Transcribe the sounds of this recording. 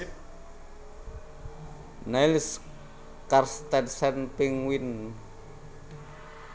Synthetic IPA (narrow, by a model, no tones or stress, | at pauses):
najls | karst̪ɛnsɛnpiŋwin